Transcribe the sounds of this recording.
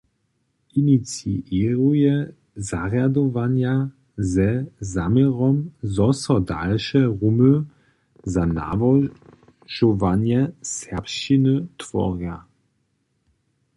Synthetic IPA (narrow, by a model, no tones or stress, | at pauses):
init͡siʔiʁujɛ | zaʁjadɔvanja | zɛzamjɛʁɔmzɔsɔda̰lʃɛʁumə | zana̰vɔ | ʒ̥ɔvanjɛsɛpʃt͡ʃinətvɔ̰ʁja